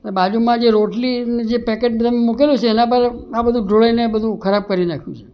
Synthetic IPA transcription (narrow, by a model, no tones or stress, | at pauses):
nebad͡ʒumãd͡ʒeɾoʈlined͡ʒepɛkeʈt̪əmemukelũt͡ʃʰeːnãp̬əɾabəd̪ʱũɖʱoɭainebəd̪ʱũkʰəɾab̚kəɾinakʰjũt͡ʃʰe̥